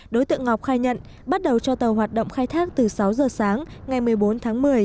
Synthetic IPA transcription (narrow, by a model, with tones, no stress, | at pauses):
ɗo˨˦jt̪ɨ̰˧˨əŋɔ˨˩wk͡p̚xaː˧jɲə̰˧˨n | ɓa˦˥t̚ɗə˨˩wt͡ɕɔ˧t̪ə˨˩wɦwaː˨˩t̚ɗo̰˧˨ŋ͡mxaː˧jt̪ʰaː˦˥k̚t̪ɨ˨˩sa˨˦wzəː˨˩saː˨˦ŋŋa˨˩jmɨ˨˩əjɓo˨˦nt̪ʰaː˨˦ŋmɨ˨˩əj